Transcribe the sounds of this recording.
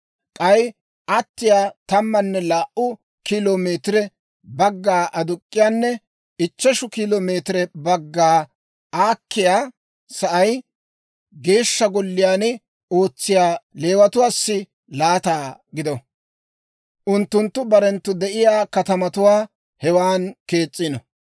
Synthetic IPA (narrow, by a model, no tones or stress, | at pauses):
kʼɐj | ʔɐt̪ːɪjaːt̪ɐmːɐnːɛlaːʔʊ | kiloːmeːt̪ɪɾɛ | bɐɡːaːʔɐd̪ʊkʼːɪjaːnːɛ | ɪt͡ʃːɛʃʊkiːloːme̞ːt̪ɪɾɛbɐɡːaː | aːkːɪjaː | sɐʔɐj | ɡe̞ːʃːɐɡɔlːɪjaːnɪ | o̞ːt͡sːɪjaːle̞ːwɐt̪ʊwaːsːɪ | laːt̪aːɡɪd̪ɔ | ʔʊnt̪ːʊnt̪ːʊbɐɾɛnt̪ːʊd̪ɛʔɪjaːkɐt̪ɐmɐt̪ʊwaː | hɛwaːnke̞ːt͡sʼːɪnɔ